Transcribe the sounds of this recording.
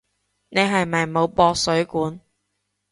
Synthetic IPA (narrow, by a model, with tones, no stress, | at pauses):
ne˨˧jɦɐ˨jmɐ˨jmo˨˧wpɔː˧k̚sɵ˨˥ɥkuː˨˥n